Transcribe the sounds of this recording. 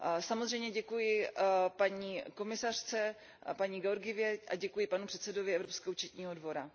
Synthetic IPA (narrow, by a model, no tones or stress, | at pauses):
samozr̝ɛjmɲɛɟɛkujɪpaɲiːko̞mɪsar̥t͡sɛ | paɲiːɡɛoɾɡɪvɪjɛʔaɟɛkujɪpanupr̥ɛt̪sɛdovɪɛvɾo̞pskɛːɦout͡ʃɛt̪ɲiːɦo̞dvo̞ɾa